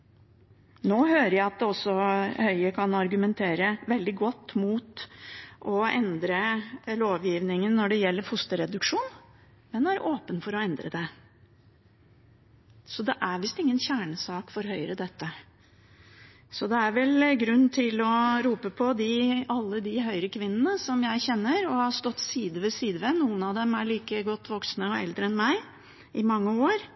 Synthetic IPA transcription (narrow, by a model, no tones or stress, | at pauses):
noːhøːɾəjæɪɑt̪̚d̪ɛɔsːɔhœʏəkʰɑnɑɾɡʉmɛnt̪ʰeːɾəʋɛld̪ɪɡɔt̪ːmuːt̪ʔɔɛnd̪ɾəloːʋjiːʋnɪŋənːɔɖɛjɛlːəɾfʊst̪əɾɛd̪ʉkʂuːn | mɛnæɾʔoːpənfɔɾɔɛnd̪ɾəd̪ɛ | sɔd̪ɛʔæɾʋɪst̪ɪŋːənçæːɳəsɑːkfɔɾɦœʏɾəd̪ɛt̪ːə | sɔd̪ɛæɾʋɛlɡɾʉnːt̪ʰɪlɔɾuːpəpʰɔd̪ɪɑlːəd̪ɪɦœʏɾəkʰʋɪnːənəsɔmjæɪçɛnːəɾɔhɑst̪ɔt̪ːsiːd̪əʋəsiːd̪əʋənuːənɑʋd̪ɛmæɭiːkəɡɔt̪ːʋɔksnəɔɛ̰ld̪ɾəɛnmæɪ | ʔɪmɑŋːəoːɾ